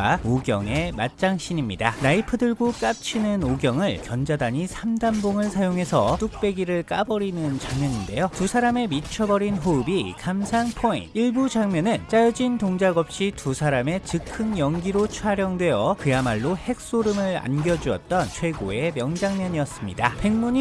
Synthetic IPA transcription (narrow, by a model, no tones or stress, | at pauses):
aoɡjʌŋe̞mat̚t͡ɕ͈aŋɕ͈ʰiɲimɲida̰naipʰɯdɯɭɡuk͈ap̚t͡ɕʰinɯnoɡjʌŋɯɭkjʌnd͡ʑadaɲisʰamdamboŋɯɭsʰajoŋɦe̞sʰʌt͈uk̚p͈e̞ɡiɾɯɭk͈abʌɾinɯnt͡ɕaŋmjʌɲinde̞jotusʰaɾame̞mit͡ɕʰʌbʌɾinɦoɯbikamsʰaŋpʰoḭntiɭbud͡ʑaŋmjʌnɯnt͡ɕ͈ajʌd͡ʑintoŋd͡ʑaɡʌp̚ɕ͈itusʰaɾame̞t͡ɕɯkʰɯnjʌŋɡiɾot͡ɕʰwaɾjʌŋdwe̞jʌkɯjamaɭːohhe̞k̚s͈oɾɯmɯɭa̰nɡjʌd͡ʑuʌt̚t͈ʌnt͡ɕʰwe̞ɡoe̞mjʌŋd͡ʑaŋmjʌɲiʌs͈ɯmɲidape̞ŋmuɲ